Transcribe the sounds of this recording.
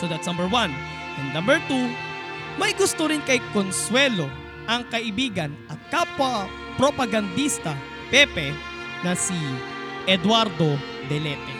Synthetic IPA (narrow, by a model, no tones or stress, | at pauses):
sod̪ɐt̪snɐ̃mbɛɹwɐ̃n | ɛ̃nnɐ̃mbɛɹt̪u | mɐjɡʊst̪oɾɪnkɐjkonswɛlo | ʔɐŋkɐʔɪbiːɡɐnɐkapɐ | pɾopɐɡɐnd̪ist̪ɐ | pɛpɛ | nɐsiʔɛd̪waɾd̪o | d̪ɛlɛp̪ɛ